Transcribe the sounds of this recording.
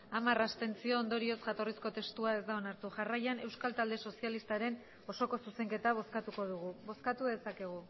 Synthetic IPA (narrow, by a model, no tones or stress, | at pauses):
amarast̪e̞nt͡sio̞ːnd̪o̞ɾio̞sʝat̪o̞risko̞t̪e̞st̪uae̞zd̪ao̞naɾt̪uʝarajane̞wskalt̪ald̪e̞so̞sialist̪aɾe̞n | o̞so̞ko̞suse̞ŋke̞t̪aβ̞o̞skat̪uko̞ðuɣuβo̞skat̪uðe̞sake̞ɣ̞u